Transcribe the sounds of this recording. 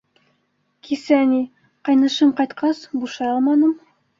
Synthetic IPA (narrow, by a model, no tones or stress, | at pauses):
kʰisææni | qɑjnɤ̆ʃɤɴqɑjt̪qʰɑsbuʃɑjɑlˠmɑnɤm